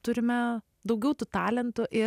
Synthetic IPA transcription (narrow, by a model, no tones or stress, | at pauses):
t̪ʊɾʲɪmʲɛ | d̪ɐʊɡʲɛʊt̪ʊt̪ɑːlʲɛnt̪ʊʔɪ